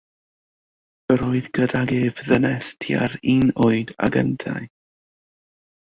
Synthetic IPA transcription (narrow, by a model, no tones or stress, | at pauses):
əɾoɨðɡədaɡevðənɛstʰja̰ɾinoɨda̰ɡə̰ntʰa̰j